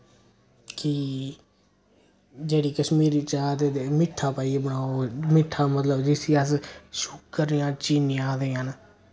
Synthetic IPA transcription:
kɪ | d͡ʒeːɽiːkəʃmiːɾiːt͡ʃaːt̪eːt̪eːmɪʈʰːaːpaːiːbəɳaːoːmɪʈʰːaːmət̪ləbd͡ʒɪsiːəsʃukkəɾijãːt͡ʃiːnɪãːd̪eːɦən

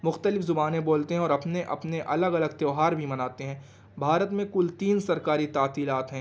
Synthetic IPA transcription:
mʊxt̪əlɪfzʊbaːnẽboːlt̪eɦɛ̃ɔːɾɐpneʔɐ̰pneʔɐləɡɐləɡ̚t̪eoɦaːɾbʱimɐnaːt̪eɦɛ̃ː | bʱaːɾət̪mẽkʊlt̪iːnsɐɾkaːɾit̪aːt̪iːlaːt̪ɦɛ̃ː

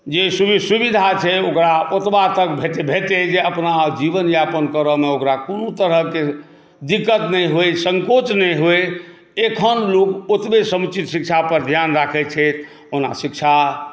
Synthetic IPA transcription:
d͡ʒesubisubid̪ʱat͡ʃʰɛokɾaot̪bat̪əkbʱeʈ̪ebʱeʈed͡ʒeəpnad͡ʒibənjapənkəɾəmeokɾakonot̪əɾəɦke | d̪ikət̪nɛjɦojsəŋkot͡ʃnɛjɦoj | ekʰənlokot̪besəmt͡ʃit̪sikt͡ʃʰapəɾd̪ʱjanɾakʰɛt͡ʃʰɛt̪ʰ | ona̰sikt͡ʃʰa

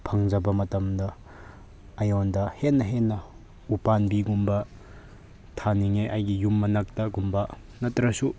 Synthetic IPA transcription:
pʰɐŋd͡ʒɐbɐmɐtɐmdɐː | jondɐhenːɐɦenːɐ | upanbiɡumbɐ | tʰaniŋeʔajɡijumːɐnɐk̚tɐɡumbɐ | nɐtɾɐsu

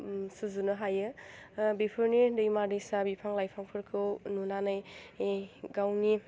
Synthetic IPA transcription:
suzunɯɦajɯbipʰɯɾnidɯjmadisabipʰaŋlajpʰaŋpʰɯɾkʰɯwnunanaj | ɡawni

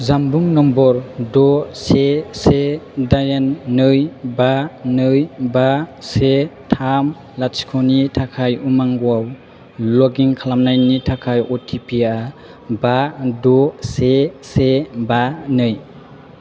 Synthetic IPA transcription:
zambuŋnɔmbɔɾdɔsesedajanːɯjbanɯjbasetʰam | lasi̥kʰɔnitʰakʰajumaŋɡɔaw | lɔɡiŋkʰalamnajnitʰakʰajɔtʰipia | badɔsesebanɯj

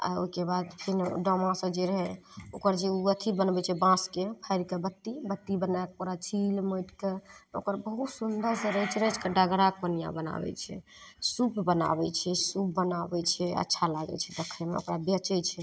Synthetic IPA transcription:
a̰o̰ikebad̪pʰinɖɔmãsə̃d͡ʒeɾəɦɛokəɾd͡ʒeuət̪ʰibənbɛt͡ʃʰɛbãskepʰəjɾkebət̪ːibət̪ːibənakpoɾat͡ʃʰilmojʈkeo̰kəɾbəɦut̪sund̪ʱəɾsə̃ɾəɛt͡ʃʰɛɾət͡ʃʰkəɖaɡɾak̚pənija̰bəna̰bɛ̰t͡ʃʰɛ̰ | supbəna̰bɛt͡ʃʰɛsup̚ːənabɛt͡ʃʰɛə̰tːʃʰalaɡɛ̰t͡ʃʰɛ̥d̪ekʰəjmḛo̰kɾabət͡ʃət͡ʃʰɛ

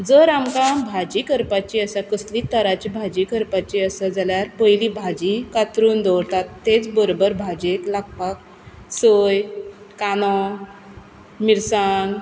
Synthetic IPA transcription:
d͡zəɾamkabʱad͡ʑikəɾpat͡ɕiəsakəslit̪əɾat͡ɕibʱad͡ʑikəɾpat͡ɕiəsad͡zaljaɾpəjlibʱad͡ʑikat̪ɾuːnd̪ɔɽt̪at̪ːet͡sbəɾobəɾbʱad͡ʑeklak̚pak̚ | səj | kanɔ | miɾsaŋɡ

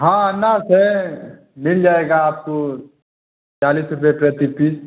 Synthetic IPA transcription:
ɦãːnasɛ | mɪld͡ʒaːeːɡaːp̚ko | t͡ʃaːliːsɾʊp̬epɾət̪ipiː

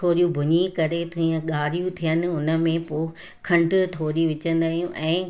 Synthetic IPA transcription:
oːɾijũbʱʊɲĩkɐɾet̪iːə̃ɠaːɾijũt̪ʰijənɪ̆ʊnə̆mẽpoː | kʰɐ̃ɳɖt̪ʰoːɾiʋɪt͡ɕə̃nd̪aːjũʔɛ̃ː

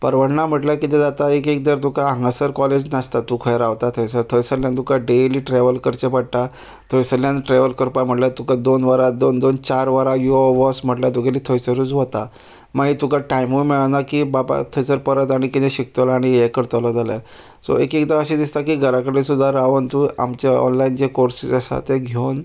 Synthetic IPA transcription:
pəɾʋəɽnam̤əʈljakit̪ɛd͡zat̪aekek̚d̪əɾt̪ukaɦãŋɡasəɾkɔled͡ʑnast̪at̪ukʰəjɾaʋt̪at̪ʰɔjsəɾt̪ʰojsəɾljãnt̪ukaɖeliːʈɾeʋəlkəɾt͡ɕepaɽt̪a | t̪ʰojsəɾljãnʈɾeʋəlkəɾpam̤əʈlat̪ukad̪onʋaɾad̪ond̪ont͡ɕaɾʋaɾajuɔʋɔsm̤əʈljat̪ukeliːt̪ʰojt͡səɾut͡sʋot̪a | maɡit̪ukaʈajmumiɭanakiːbaba̰t̪ʰɔjsəɾpəɾət̪aɽ̃ikit̪ẽɕik̚t̪əlaɽ̃ijekəɾt̪əlɔd͡zaljaɾ | sɔ̰ekikd̪aəɕid̪ist̪akiːɡʱəɾakəɽesud̪ʱːaɾaʋənt̪uːa̰mt͡ɕaɔ̰nlaind͡ʑekoɾsid͡zəsa̰t̪eɡʱown

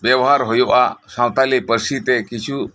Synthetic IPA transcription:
bjɛwɦaɾɦojoʔasãwt̪alipəɾsit̪ekit͡ʃʰu

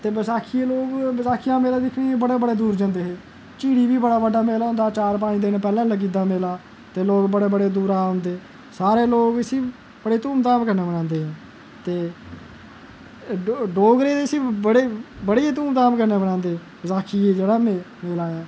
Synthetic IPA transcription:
t̪eːbəsaːkʰiːeːloːɡbəsaːkʰijãːmeːlaːd̪ɪkʰniːebəɽeːbəɽeːd̪uːɾd͡ʒãːnd̪eːɦeː | t͡ʃiːɽiːʋiːbəɽaːbəɖaːmeːlaõnd̪aːt͡ʃaːɾpaːnĩːd̪ɪnpɛːlãːləɡiːd̪aːmeːlaː | t̪eːloːɡbəɽeːbəɽeːd̪uːɾaːɦʊ̃nd̪eː | saːɾeːloːɡəsĩː | b̥əɽeːt̪uːmt̪aːmkəɾneːbənãːnd̪eːɦɛ̃ː | t̪eː | ɖoːɡɾeːd̪esiːbəɽeːbəɽeːeːt̪̬uːmt̪aːmkəɾneːbəɽãːnd̪eː | bəsaːkʰiːeːd͡ʒeːɽaːme | meːlaːjaː

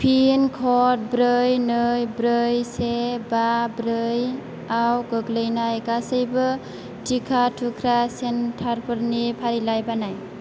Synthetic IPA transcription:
pʰinkʰɔt̚bɾɯjnɯjbɾɯjsebabɾɯj | awɡɯɡlɯjnajɡasɯjbɯ | tʰikʰatʰukʰɾasentʰaɾpʰɯɾnipʰaɾilajbanaj

